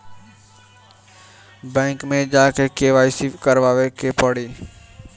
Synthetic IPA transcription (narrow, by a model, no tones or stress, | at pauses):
bɛ̃ːŋkmẽd͡ʒaːkekeːʋaːisikəɾʋaːʋekʰeːpəɽiː